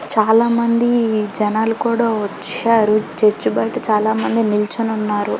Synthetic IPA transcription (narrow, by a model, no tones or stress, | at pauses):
t͡ʃaːlaːmɐnd̪id͡ʒɛnaːlukuːɽaːʋɐt͡ʃaːɾut͡ʃet͡ʃːubɐjʈut͡ʃaːlaːmɐnd̪inilt͡ʃununːaːɾu